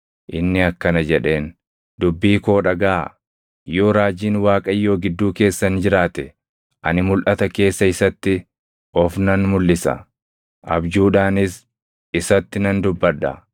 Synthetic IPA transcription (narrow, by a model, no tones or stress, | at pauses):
ʔɪnːɪɐkːɐnɐd͡ʒɛᶑe̞ːn | dd̪ʊbːiːko̞ːᶑɐɡaː | joːɾaːd͡ʒiːnwaːkʼɐjːo̞ːɡɪd̪ːuːke̞ːsːɐnd͡ʒɪɾaːt̪ɛ | ʔɐnɪmʊlʔɐt̪ɐke̞ːsːɐɪsɐt̪ːɪ | ʔɔfnɐnmʊlːɪsɐ̰ | ʔɐbd͡ʒuːᶑaːnɪs | ɪsɐt̪ːɪnɐnd̪ʊbːɐᶑɐ̰